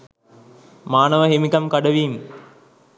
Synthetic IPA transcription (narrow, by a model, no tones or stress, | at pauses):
maːnəʋəɦimikamkaɖəʋiːm